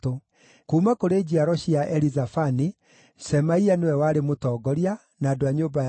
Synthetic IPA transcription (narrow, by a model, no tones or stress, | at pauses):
to | kuːmakoɾed͡ʑiaɾɔɕiaʔɛɾizafani | sɛmaianewɛwaɾemotɔːɡɔɾia | naːdoaɲoːba